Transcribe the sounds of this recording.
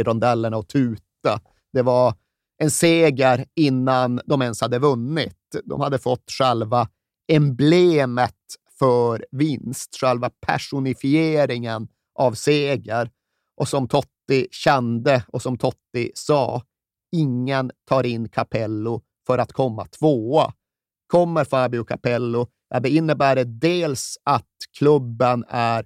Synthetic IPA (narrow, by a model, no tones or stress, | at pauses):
ɾɔnd̪ɛlːəɳaɔt̪ʰʉ̟ːt̪a | d̪̥ɛvaɾ | ɛnseːɡəɾɪnːand̪ɔmɛnshad̪ːəvɵnːɪt̪d̪ɔ̰mhad̪ːəfɔt̪ːɧɛlva | ɛmbleːmət̪fœɾvɪnst̪ɧɛlvapʰæ̰ʂʊnɪfɪeːɾɪŋən | ʔavseːɡəɾ | ʔɔsɔmt̪ʰɔt̪ːɪɕɛnd̪əɔsɔmt̪ʰɔt̪ːɪsɑ̰ː | ɪŋːənt̪ʰɑːɾɪnːkʰapʰɛlːʊ | fœɾat̪kʰɔmːa̰t̪ʰvoːa | kʰɔmːəɾfaːbɪʊkʰa̰pɛlːʊ | jɑd̪ɛɪnːəbæːɖəd̪eːlsat̪kʰlɵbːənæɾ